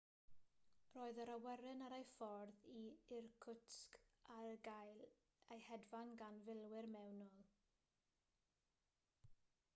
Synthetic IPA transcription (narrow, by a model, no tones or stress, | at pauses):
roːɨðəɾawɛɾɨnaɾejfɔrðiɪrkʰʊtskalɡajl | ejhɛdvanɡanvɪlˠwɪrmɛwnɔlˠ